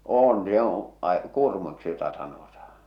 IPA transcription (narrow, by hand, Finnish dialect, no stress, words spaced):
oːn joːõ ɑ̆ĭ kuˑrmuiksi jotɑ sɑnotɑhɑ̥